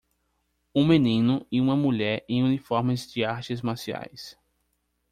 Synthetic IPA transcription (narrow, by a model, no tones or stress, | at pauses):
ũmẽnĩnʊɪũmɐmuʎɛɾẽj̃ũnifɔɾmɪzd͡ʒɪaɾt͡ʃɪzmasia̰js